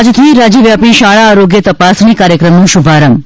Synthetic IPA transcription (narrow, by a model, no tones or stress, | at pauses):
d͡ʒt̪ʰiɾad͡ʒiʋjapiʃaɭaːɾoɡjət̪əpasɳikaɾjəkɾəmnũʃubʱaɾəm